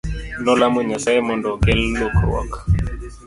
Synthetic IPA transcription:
nɔlamoɲasaemɔndɔɡɛlːokɾw̰ɔ̰k

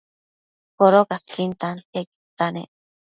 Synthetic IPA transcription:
poɾokaskint̪ankeki̥t̪anḛʔ

